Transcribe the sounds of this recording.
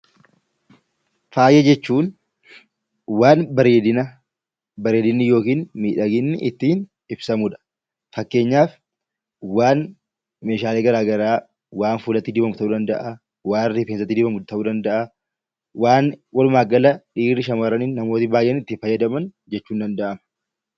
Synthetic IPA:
faːjʔɛd͡ʒɛt͡ʃːuːn | waːnbɐɾeːd̪ɪnɐ | bɐɾeːd̪ɪnːɪjo̞ːkiːnmiːᶑɐɡɪnːɪʔɪt̪ːiːn | ɪbsɐmuᶑɐ̥ | fɐkːe̞ːɲːaːf | waːn | meːʃaːleːɡɐɾaːɡɐɾaː | waːnfuːlɐt̪ːɪːd̪ɪbɐmʊt̪ɐuːd̪ɐnd̪ɐʔɐ | waːrɪfensɐt̪ːɪd̪ɪbɐmʊt̪ɐuːd̪ɐnd̪ɐʔɐ | waːnwɐlʊmaːɡɐlɐᶑiːɾɪʃɐmɐɾɐnɪnːɐmo̞ːt̪ɪbaːjʔːɛnɪt̪ːiːnfɐjːɐd̪ɐmɐn | d͡ʒɛt͡ʃːuːnd̪ɐnd̪ɐʔɐmɐ̥

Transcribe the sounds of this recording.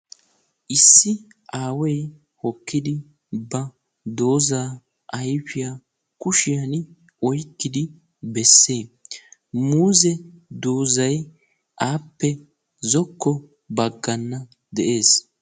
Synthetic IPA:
ʔɪsːɪ | ʔaːwɛj | hɔkːɪd̪ɪ | bɐ | d̪oːzaː | ʔɐjfɪja | kʊʃɪjɐn | ɔjkːɪd̪ɪ | bɛsːeː | muːzɛd̪oːzɐj | ʔaːpːɛ | zɔkːɔ | bɐɡːɐnːɐ | d̪ɛʔe̞ːs

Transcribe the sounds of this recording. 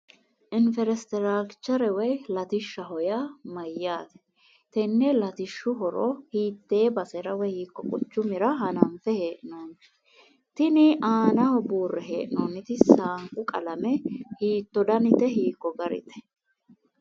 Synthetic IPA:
ʔɪnfɛɾɛst̪ɛɾaːɡt͡ʃːɐɾɛwɛjlɐt̪ɪʃːɐɦɔjamɐjːaːt̪ɛ̥ | t̪ɛnːɛlɐt̪ɪʃːʊɦɔɾɔ̰hiːt̪ːe̞ːbɐsɛɾɐwɛhiːkːɔkʼʊt͡ʃːʊmɪɾɐɦɐnɐmfɛheːʔɪnoːn | t̪ɪnɪʔaːnɐɔbuːrːɛɦe̞ːʔɪnoːnɪt̪ɪsaːŋkʼʊkʼɐ̰lɐmɛhiːt̪ːɔd̪ɐnɪt̪ɛɦiːkːɔɡɐɾɪ̰t̪ɛ̥

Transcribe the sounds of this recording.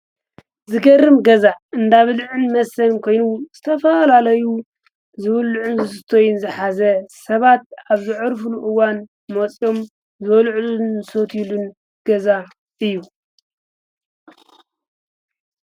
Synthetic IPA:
zɨɡɐrːɨmɡɐzaɨnd̪aβɨlʕɨnmɐsɐnkʰo̞jnuz̥ɨt̪ʰɐfɐlalɐju | zɨβlʕunzɨsɨt̪ʰo̞junzɨħazɐsɐβat̪̚aβzɨʕɨɾfluʔɨwan | mot͡sʼjo̞m | zɨβɐlʕlunsot̪ʰjilun | ɡ̥ɐza | ɨjːu

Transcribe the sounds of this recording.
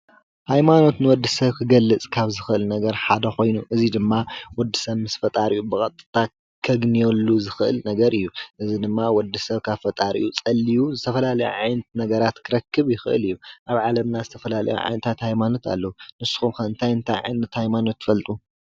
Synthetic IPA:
hajmano̞t̪nɨwɔd̪ːisɐβkʰɨɡɐlːɨt͡sʼkʰaβzɨxɨʔɨlnɐɡɐɾħad̪ɐxo̞jnuʔɨzid̪ɨmːawɔd̪ːɨsɐβmɨsfɐt̪ʼaɾiʔubɨkʼɐt̪ʼːɨ̥t̪ʰa | kʰɐɡnijolːuzɨxɨʔɨ̰lnɐɡɐɾɨjːuʔɨzid̪ɨmːawɔd̪ːɨsɐβkʰaβfɐt̪ʼaɾḭʔut͡sʼɐlːijuzɨt̪ʰɐfɐlalɐjṵʕajnɨt̪nɐɡɐɾat̪kʰɨɾɐkːɨβjɪxɨʔɨ̰lɨjːuʔaβʕalɐmnazɨt̪ʰɐfɐlalɐ̰jṵʕa̰jnɨt̪ʰat̪hajmano̞t̪ʰa̰lːɐunɨsːu̥xumxɐɨnt̪ʰajɨnt̪ʰa̰jʕa̰jnɐt̪hajmano̞t̪ʰːɨ̥fɐlt̪ʼu

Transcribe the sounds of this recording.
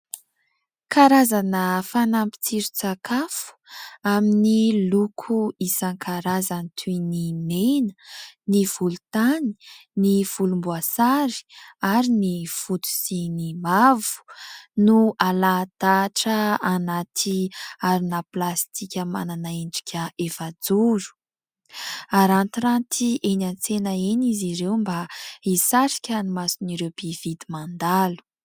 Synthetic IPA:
kaɾazanəfanampi̥t͡siɾut͡sakʰafu̥aminilukʰuisaŋkʰaɾazanit̪ʰunimenə̥niv̥ulut̪ani̥niv̥ulumbuasaɾi̥aɾiniv̥ut̪u̥sinimavu̥nualad̪̥aʈ͡ʂəanat̪ʰiaɾinəplast̪ʰikʲəma̰nanaiɳɖ͡ʐi̥kʲʰəefad͡zuɾu̥ | aɾant̪iɾant̪ʰiʔenant͡senaeniziɾewmbaisaɾi̥kʲənimasiniɾewbivid̪imand̪alu̥

